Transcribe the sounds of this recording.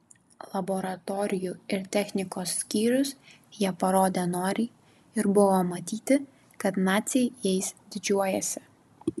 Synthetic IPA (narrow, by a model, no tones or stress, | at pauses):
lˠɐbɔɾɐt̪ɔːɾʲɪjuɪɾt̪ʲɛxʲnʲɪkoːsːʲkʲiːɾʲʊs | jiɛpɐɾoːd̪ʲenoːɾʲiː | ɪɾbʊʋoːmɐt̪ʲiːt̪ʲɪ | kɐt̪nɑːt̪sʲɛɪjɛɪsd̪ʲɪd͡ʒʲuɔjɛsʲɪ̥